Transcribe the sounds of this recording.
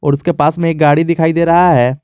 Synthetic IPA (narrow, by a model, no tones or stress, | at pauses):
ɔ̰ːɾʊskepaːsmẽeːk̚ɡaːɽid̪ɪkʰaːid̪eːɾɐɦaɦɛː